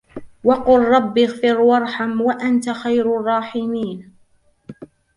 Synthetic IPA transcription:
wɑqʊlˤːɑbːɪɣfɪɾwɑɾˤħamwaʔant̪axajɾrˤːɑːħɪmiːn

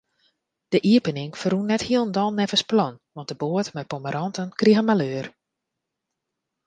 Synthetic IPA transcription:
d̥əʔiəpənɪŋfərunːɛthiəlˠndɔlˠnɛvəsplɔnʋɔntdəboətmɛjpɔməɾɔntənkriəɣənmaløːər

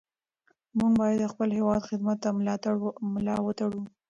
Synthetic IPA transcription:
muɡbɑjad̪əxpəlɦewɑd̪xɪd̪mat̪ːamlɑt̪aɽmlɑwət̪aɽu

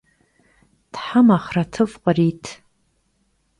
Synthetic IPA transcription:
tħamaχratʰɨvqʷʼaritʰ

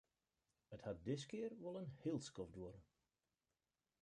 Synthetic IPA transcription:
əthat̚dɪskɪərʋɔlˠənhɪlˠskɔfdwoɾə

